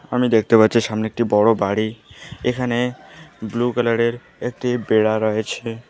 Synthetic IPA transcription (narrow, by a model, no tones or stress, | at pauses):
amid̪ekʰt̪epatːɕʰiʃamneek̚ʈibɔɽobaɽiekʰaneblukalaɽeɾ | ek̚ʈibeɽaɾɔjet͡ɕʰe